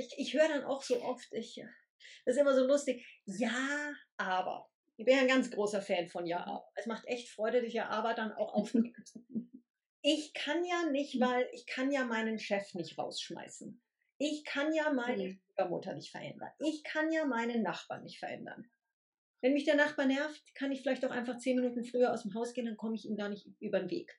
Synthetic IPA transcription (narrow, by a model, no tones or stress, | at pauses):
ɪçɪçhøːəɾanʔa̰ʊxz̥oːʔɔftɪç | sɪstʔɪmɐzoːlʊstɪçjaːʔaːbɐ̰ | ʔɪçb̥ɪnjaːnɡant͡sɡ̥ʁoːsɐfɛːnfɔnja̰ːʔa̰ːbɐɛsmaχtʔɛçtfʁ̥ɔʏɾədɪsjaːʔaːbɐd̥anʔa̰ʊxʔa̰ʊfnɪmt | ʔɪçkʰanjaːnɪçtvaɪlʔɪçkʰanjaːmaɪnənʃɛfnɪçtʁa̰ʊsʃma̰ɪsn̩ | ʔɪçkʰanjaːmaɪnəʃlyːɡɐmʊ̰tɐnɪçtfɛɐʔɛ̰ndɐ̰nʔɪçkʰanjaːmaɪnənːaχb̥a̰ːɐnːɪçtfɛɐʔɛ̰ndɐ̰n | vɛnmɪçd̥eːɐnaχb̥aːɐnɛɐftkʰanɪçfɪlaɪçtaʊxʔa̰ɪnfaχt͡seːnminuːtn̩fʁ̥yːɐʔaʊsdemɦaʊsɡ̥eːəndankʰɔməɪçiːnɡaːɐnɪçtʔyːbɐnvḛːk